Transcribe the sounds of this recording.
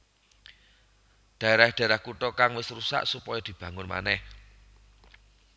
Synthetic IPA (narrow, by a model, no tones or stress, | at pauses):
d̪̥ä̤eɾad̥a̤ɾahkuʈ̪ɔkaŋwɪsrusa̰ʔsupɔjɔd̪̥i̤b̥ä̤ŋʊnma̰nɛh